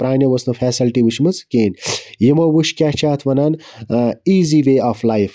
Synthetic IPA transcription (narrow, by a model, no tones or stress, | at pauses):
pɾaːnʲjɐʋɐsnɐfʰɛːsilʈiʋuʃmɐt͡skeːnjimɐʋuʃkʲaːt͡ʃʰaːt̪ʰʋɐnaːn | iːziːʋeːaːflajf